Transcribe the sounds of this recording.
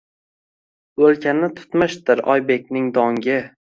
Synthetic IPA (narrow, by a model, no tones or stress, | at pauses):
ɵlkʲʰanːɪt̪ʰʊ̥t̪mɪʃt̪ɪɾɒ̰jbe̞k̚ʲnɪŋd̪ɒŋɡʲɪ